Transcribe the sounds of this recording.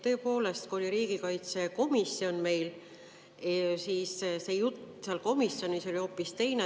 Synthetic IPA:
t̪ø̞ːpo̞ːle̞st̪̚kuo̞lʲiɾiːɡ̥ikɑjt̪se̞ko̞misːjo̞nme̞jl | siːsse̞jut̪seɑlko̞misːo̞nʲiso̞lʲio̞ːpːist̪e̞jne

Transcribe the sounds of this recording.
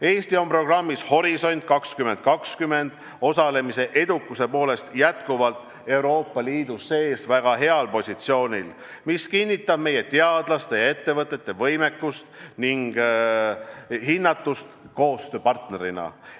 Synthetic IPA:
e̞ːst̪io̞mpro̞ɡ̥rɑmːisho̞ɾiso̞nʲt̪̚ˑkɑkskyme̞nd̪̚kɑkskymːe̞nd̪̥ | o̞sɑle̞mise̞ʔe̞d̪ukːˑuse̞po̞ːle̞st̪jæt̪kuvɑlt̪ | e̞wɾo̞ːpːˑɑliːd̪̥usːe̞ːsvæɡ̥ɑɦe̞ɑlpo̞sʲit̪sio̞ːnʲil | miskinʲːit̪ːˑɑb̥̚me̞je̞t̪e̞ɑd̪̥lɑst̪ejɑe̞t̪ːe̞vɤt̪ːˑe̞t̪ːe̞vɤjme̞kːust̪niŋɡ̥ | hinːɑt̪ːˑust̪ko̞ːst̪øːpɑrt̪ne̞ɾinɑ̰

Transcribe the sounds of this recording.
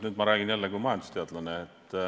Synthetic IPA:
nyːd̪mɑɾæːɡinjælːekujmɑjɑnd̪u̥st̪eɑd̪lɑneːt̪ː

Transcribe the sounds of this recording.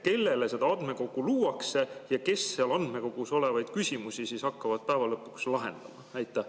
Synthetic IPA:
ke̞lːe̞le̞se̞d̪ɑɑnd̪me̞ko̞ɡ̥ˑuluːɑkse̞jɑke̞sːeɑlɑnd̪̥me̞ko̞ɡ̥uso̞le̞vɑjd̪̥kysʲimusisisɑkːɑvɑd̪̥̚pæevɑlɤpːˑu̥kslɑɦe̞̰nd̪̥ɑmɑnæjt̪ːˑæ

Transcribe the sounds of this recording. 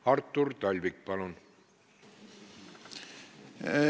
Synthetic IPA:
ɑrt̪ːurt̪ɑlʲvik̚pɑlun

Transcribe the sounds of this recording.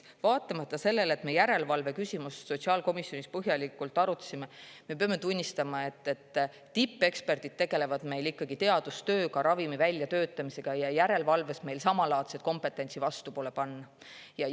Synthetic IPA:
vɑːt̪ːˑɑmɑt̪ːˑɑse̞lːe̞le̞t̪me̞jæɾe̞lvɑlve̞kysimusso̞tsiɑːlko̞misːjo̞nispɤɦjɑlikːˑult̪ːˑɑɾut̪ːˑsimeme̞pɑme̞t̪unʲːist̪ɑmɑe̞t̪ːe̞t̪ː | ipˑːe̞kspe̞rd̪̥id̪̥̚t̪e̞ɡ̥e̞le̞vɑd̪̥me̞jlikːɑɡ̥it̪e̞ɑd̪̥ust̪ø̞ːkɑɾɑvimivælʲjɑt̪ø̞ːt̪ːˑɑmise̞ɡ̥ɑjɑjæɾe̞lvɑlve̞sme̞jlsɑmɑlɑːt̪set̪̚ko̞mpe̞t̪ːˑe̞nʲsivɑst̪upo̞ːle̞pɑnːɑ | jɑ

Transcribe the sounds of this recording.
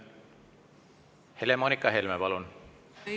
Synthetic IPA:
he̞lemonikːˑɑɦelmepɑlun

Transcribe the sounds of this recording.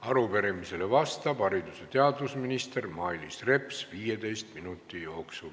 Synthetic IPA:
ɑɾupe̞ɾemise̞le̞vɑst̪ɑbɑɾid̪use̞t̪e̞ɑd̪usminist̪e̞rmɑːilisre̞psviːjed̪e̞jstt̪minut̪ˑːijo̞ːksul

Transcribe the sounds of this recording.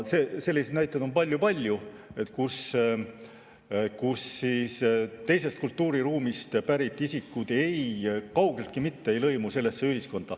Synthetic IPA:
sese̞lːised̪næjt̪ːˑɑd̪o̞npɑlʲjupɑlʲju | e̞t̪ːˑkus | kusːiːst̪e̞js̬e̞st̪̚kult̪ːuːɾiɾuːmist̪pæɾit̪ːˑisikːˑud̪̥e̞jkɑwɡe̞lt̪̚kimit̪ːe̞e̞jlɤ̞jmuse̞lːe̞sːe̞yɦisko̞nd̪̥ɑ̰

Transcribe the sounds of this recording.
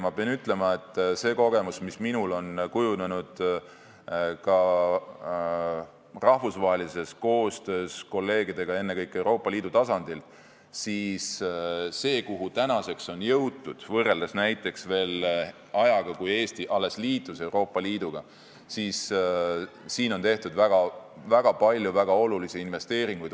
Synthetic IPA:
mɑpeɑnyt̪ːˑle̞mɑe̞t̪ːˑse̞ːko̞ɡ̥e̞musmisminulo̞nkujunenud̪̥ | kɑ | rɑhvusvɑːɦelise̞sko̞ːst̪ø̞ːsko̞lːe̞ːɡid̪e̞ɡ̥ɑe̞nːe̞kɤjkːˑe̞wɾo̞ːpːˑɑliːd̪ut̪ɑsɑnd̪̥il | siːsː | e̞ːkuɦut̪ænɑse̞kso̞njɤwt̪ːud̪̥vɤre̞ld̪̥ɑsnæjt̪ˑːe̞ksve̞ːl | ɑjɑɡ̥ɑkuje̞ːst̪iʔɑlːe̞sliːt̪ːˑuse̞uwɾo̞ːpːˑɑliːd̪̥uɡ̥ɑ | siːs | siːno̞nt̪e̞ht̪ud̪væɡ̥ɑvæɡ̥ɑpɑlʲjuvæɡ̥ɑo̞lulisiinve̞st̪e̞ːɾiŋɡ̥ujd̪

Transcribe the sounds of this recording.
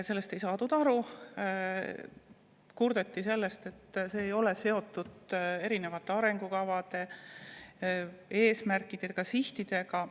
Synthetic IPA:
se̞lːest̪e̞jsɑːt̪ud̪̥ɑɾu | kurd̪̥e̞t̪ːise̞lːe̞st̪e̞t̪ːse̞ːjo̞le̞se̞o̞t̪ːˑud̪̥e̞ɾine̞vɑt̪ːˑe̞ɑɾe̞ŋɡ̥ukɑvɑd̪̥e̞ | e̞ːsmærkːˑid̪̥ekɑsiht̪id̪̥e̞ɡɑ

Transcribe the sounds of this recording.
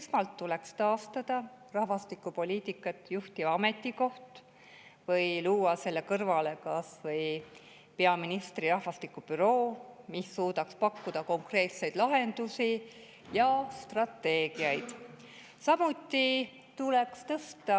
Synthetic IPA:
esmɑlt̪ːule̞kst̪ɑːst̪ɑd̪̥ɑrɑhvɑst̪ikːˑupo̞lʲiːt̪ˑikːˑɑt̪ːjuht̪ivɑɑme̞t̪ːˑiko̞ht̪ | vɤjluːɑse̞lːe̞kɤrvɑle̞kɑsvɤj | peɑminist̪riɾɑhvɑst̪ikːˑupyɾo̞ːmisːuːd̪ɑkspɑkːud̪̥ɑko̞ŋkre̞ːt̪se̞jd̪̥lɑɦe̞nd̪̥usi | jɑst̪rɑt̪ːe̞ːɡ̥iɑjd̪̥ | sɑmut̪ːi | t̪ule̞kst̪ɤst̪ɑ

